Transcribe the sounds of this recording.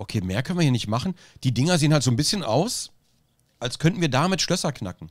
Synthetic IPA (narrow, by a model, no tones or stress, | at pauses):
ʔokʰeːmeːɐkʰœnvːɐhiːɐnɪçtmaχn̩ | d̥iːdɪŋɐzeːənhaltz̥oːnbɪsçənʔa̰ʊs | ʔalskʰœntn̩viːɐdaːmɪtʃlœsɐkʰnakŋ̩